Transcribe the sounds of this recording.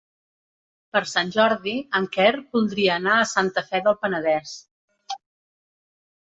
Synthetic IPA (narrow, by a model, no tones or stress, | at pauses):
pəɾsanʲʒɔɾðiəŋkɛrbulˠd̪ɾiəːnaəsant̪əfɛðəlˠpənəðɛs